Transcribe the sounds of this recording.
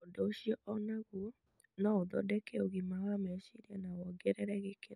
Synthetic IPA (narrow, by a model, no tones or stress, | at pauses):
odooɕiɔʔɔnaɣuɔ | nɔoðɔ̰dɛkɛoɣimawamɛoʃiɾianawɔɡɛɾɛɾɛɣeke